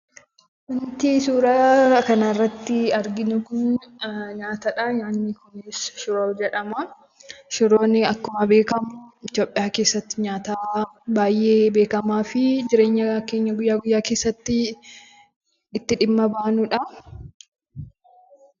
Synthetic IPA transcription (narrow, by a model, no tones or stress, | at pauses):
wʊnt̪isuːɾɐkɐnɐɪrːɐt̪ːɪɐɾɡɪnʊkʊn | ɲaːt̪ɐᶑaɲaːnːɪkʊnɪsʃʊɾoːd͡ʒɛᶑɐmɐ | ʃʊɾo̞ːnɪɐkːʊmɐbe̞ːkɐmʊɪt̪jo̞ːpʼːɪjaːke̞ːsːɐt̪ːɪɲaːt̪aːbaːjʔe̞ːbe̞ːkɐmaːfɪd͡ʒɪɾe̞ːɲːɐkeːɲːɐɡʊjːaːɡʊjːaːke̞ːsːɐt̪ːɪ | t̪ːɪᶑɪmːɐbaːnʊᶑɐ